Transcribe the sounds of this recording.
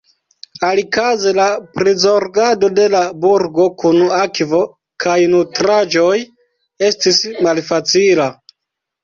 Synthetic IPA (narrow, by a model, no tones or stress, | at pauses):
alikazelapɾizo̞ɾɡado̞de̞labuɾɡo̞kunakvo̞ | kʰajnutɾad͡ʒo̞j | e̞stismalfat͡sila